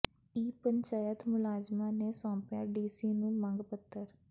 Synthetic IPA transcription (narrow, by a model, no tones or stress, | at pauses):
iːpəɲt͡ʃaːjət̪mʊlaːzmaːneːsɔ̃ːpɪjãːɖiːsiːnũːmə̃ŋɡpət̪ːəɾ